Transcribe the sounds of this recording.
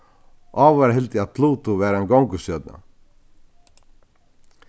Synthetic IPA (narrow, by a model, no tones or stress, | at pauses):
ʔɔːvaɾaɦɪlt̪ɪaðt̪ʰluːt̪uvɛːɾaɛnɡowŋkʏsjœt̪̚na̰